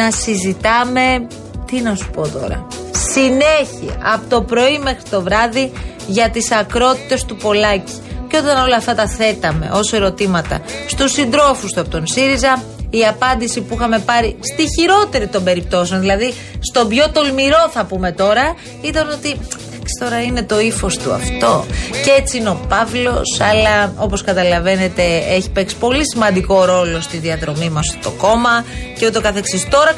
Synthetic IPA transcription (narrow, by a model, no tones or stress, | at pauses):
nɐsizit̪ɐme̞ | t̪inɐsu̥po̞t̪o̞̰ɾɐ̰sine̞çiɐ̰pot̪o̞pɾo̞ime̞xɾit̪o̞vɾɐði | ʝɐt̪isɐkɾo̞t̪i̥t̪e̞st̪upo̞lɐci̥ceo̞t̪ɐno̞lɐːft̪ɐt̪ɐθe̞t̪ɐme̞̰ʔo̞se̞ɾo̞t̪imɐt̪ɐ̰st̪usind̪ɾo̞fust̪uɐpot̪onsiɾizɐ | iɐpɐnd̪isipuixɐme̞pɐɾist̪içiɾo̞t̪e̞ɾit̪o̞mbe̞ɾip̚t̪o̞seo̞nðilɐði | st̪o̞bʝo̞t̪o̞lmiɾo̞θɐpume̞t̪o̞ɾɐ | iðɐno̞t̪iθɐksi̥st̪o̞ɾɐine̞t̪o̞ifo̞st̪uɐ̰ft̪o̞cet͡siineo̞pɐvlo̞sɐlɐo̞po̞skɐt̪ɐlɐve̞ne̞t̪e̞eçi̥pe̞ksi̥po̞lisimɐnd̪iko̞ɾo̞lo̞st̪iðiɐðɾo̞mimɐst̪o̞ko̞mɐceot̪eo̞kɐθeksist̪o̞ɾɐ